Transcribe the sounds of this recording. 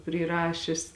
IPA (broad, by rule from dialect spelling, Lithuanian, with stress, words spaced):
pʲrʲiːˈrɑːʃʲɪs